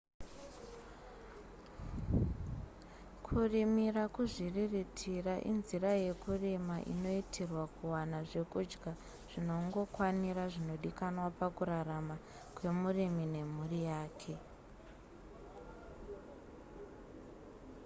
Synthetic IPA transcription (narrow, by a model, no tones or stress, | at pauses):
kʰurimirakuʐiriritʰiraʔḭnziɾaje̞kuremaʔḭno̞itʰerwakuwanaʐe̞kud͡ʒɡa | ʐ̥ino̞ŋɡo̞kwaniɾaʐino̞ɗikanwapakuɾaɾama | kwe̞murimine̞murijaːkʰe̞